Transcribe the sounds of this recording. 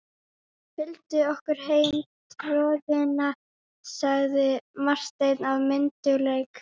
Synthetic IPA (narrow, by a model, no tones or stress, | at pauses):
fɪlt̪ʏɔhkʏɾ̥hejm | t̪ʰɾɔːðɪna | saɣðɪmar̥st̪ejt̪navmɪnt̪ʏɣlejk